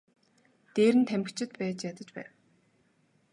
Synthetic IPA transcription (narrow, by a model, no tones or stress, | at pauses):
t̪eːɾɘ̆nt̪ʰæm̆kt͡ɕʰɪ̆t̪̚pæːt͡ɕjat̪ə̆t͡ɕpæ̰ːw